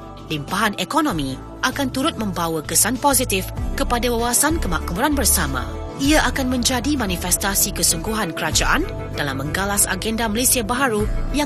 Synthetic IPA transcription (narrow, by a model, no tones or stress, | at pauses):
limpaɦanɛkonõmĩ | ʔakant̪uɾʊt̪̚mə̃mbawakəsanpozit̪ifkəpadawawasankəmakmuɾanbərsamã̰ | iaʔakanmə̃ɲd͡ʒadimãnifɛst̪asikəsuŋɡuɦankəɾad͡ʒaʔan | dalamːə̃ŋɡalasa̰ɡɛndaməlesiabaɦaɾuja